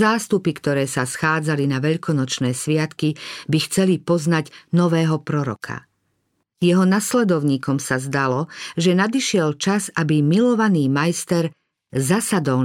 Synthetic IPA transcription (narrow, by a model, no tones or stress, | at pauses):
aːst̪upikt̪ɔɾɛːsasxaːd͡zalinaʋɛʎkʰɔnɔt͡ʃnɛːsʋɪat̪kibixt͡sɛlipɔznaɟnɔʋɛːɦɔpɾɔɾɔ̰kʰa̰ | jɛɦɔnaslɛd̪ɔʊɲiːkɔmsazd̪alɔʒɛnad̪iʃɪɛlt͡ʃazabimilɔʋaniːmajst̪ɛɾ | zasad̪ɔl